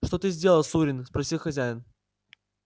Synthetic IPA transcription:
ʂt̪ot̪ɨzʲdʲe̞lˠəlˠsuɾʲɪnspɾɐsʲilˠxɐzʲæjɪn

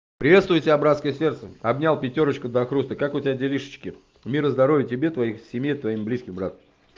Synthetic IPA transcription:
pɾʲɪvʲe̞t̪st̪vʊjtʲɪbʲabɾat̪skəjəsʲe̞rt̪səɐbnʲalˠpʲɪtʲo̞ɾət͡ɕkəd̪əɐxɾust̪əkakʊtʲɪvʲadʲɪlʲiʂə̥t͡ɕkʲɪ | mʲiɾəzd̪ɐɾo̞vʲɪtʲɪbʲe̞t̪vɐixsʲɪmʲjejt̪vɐimblʲiskʲɪmbɾat̪əm

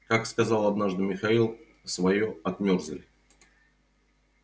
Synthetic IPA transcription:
kakskɐzalˠɐd̪naʐd̪ɨmʲɪxɐilˠ | svɐjoɐt̪mʲorzəlʲ

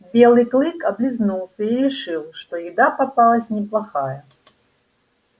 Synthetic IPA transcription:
bʲelˠɨjklˠɨkɐblʲɪznulˠsʲəiɾʲɪʂɨlˠʂt̪ɔjɪd̪apɐpalˠəsʲnʲɪplˠɐxajə

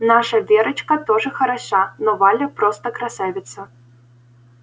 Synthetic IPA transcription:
naʂɐvʲɛɾɐt͡ʃkɐt̪ɔʐɨxɐɾaʂanɔvalʲɛpɾɔst̪ɐkɾasavʲɪt̪sːɐ

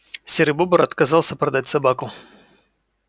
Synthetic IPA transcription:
sʲɪɾɪbobəɾɐt̪kɐzɑlˠsʲəpɾɐd̪atʲsɐbakʊ

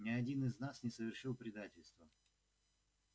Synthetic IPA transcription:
nʲɪɐdʲinɨznasnʲɪsəvʲɪrʂɨlˠpɾʲɪd̪atʲɪlʲst̪və

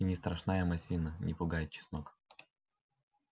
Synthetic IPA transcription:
inʲɪst̪ɾɐʂnajəmɐsʲinənʲɪpʊɡajɪt̪̚t͡ɕɪ̥snok

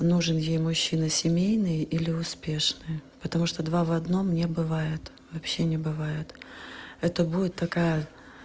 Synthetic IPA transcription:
nuʐɨnjejmʊɕːinəsʲɪmʲejnɨjəʔilʲɪʊspʲe̞ʂnɨjpət̪ɐmuʂt̪od̪vavɐd̪no̞mnʲebɨvajɪt̪ | vɐpɕːenʲɪbɨvajɪt̪ɛt̪əbudʲɪt̪ːɐkajə

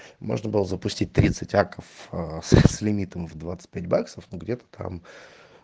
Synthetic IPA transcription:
mo̞̰ʐnəbɨlˠəzəpʊsʲtʲit̚ʲt̪ɾʲit̪sɨtʲakəfəssʲlʲɪmʲit̪əmvd̪vat̪sɨ̥t̚ʲpʲætʲbaksəfnoɡdʲet̪ə̥t̪ʰa̰m

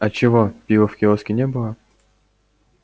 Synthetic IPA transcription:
ɐt͡ɕɪvopʲivəfkʲɪoskʲɪnʲebɨlˠə

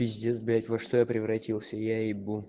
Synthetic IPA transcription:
ɪzʲdʲezblʲætʲvɐʂt̪ojapɾʲɪvɾɐtʲilˠsʲəjaɪbu

